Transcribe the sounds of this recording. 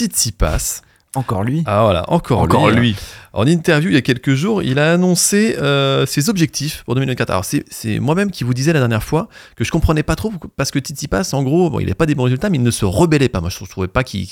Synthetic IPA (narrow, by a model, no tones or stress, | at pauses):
t̪it̪sipa̰s | ɑ̃kɔʁlɥiavwala̰ʔɑ̰̃kʰɔʁ̃lɔilɥiɑ̰̃nint̪ɛʁvjuiljakʲɛlkəʒuːʁḭlaːnɔ̃seøsezɔbʒɛk̚t̪ʰifpuʁd̪əmil̃d̪kat̪χa̰ɔ̰ʁsɛsɛ̰mwamɛmkʲivud̪izɛlad̪ɛʁnjɛʁfwakəʒə̥kɔ̃pχənɛpat̪χopaʁsə̥kət̪it̪sipasɑ̃ɡʁobɔ̰̃ilɛ̰ɛpad̪ebɔ̃ʁezylt̪amɛilnəsəʁəbɛlɛpamwaʒət̪χuvɛpakʲḭ